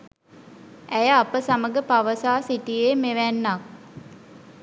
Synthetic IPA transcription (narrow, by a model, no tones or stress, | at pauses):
æjəapəsaməɡəpaʋəsaːsiʈijeːmeʋænːak̚